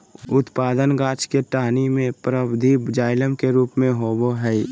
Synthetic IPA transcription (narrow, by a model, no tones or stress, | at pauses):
ʊt̪paːd̪ənɡaːt͡ʃkeʈaːnimẽpɾəbd̪ʱibd͡ʒaːɪləmkeɾuːpmẽɦoːboɦɛi